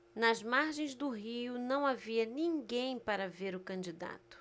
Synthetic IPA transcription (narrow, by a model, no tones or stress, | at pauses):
nɐzmaɾʒẽj̃zd̪ʊɦiʊnɐ̃w̃aviɐnĩŋɡẽj̃paɾɐveɾʊkɐ̃nd͡ʒid̪a̰t̪ʊ̥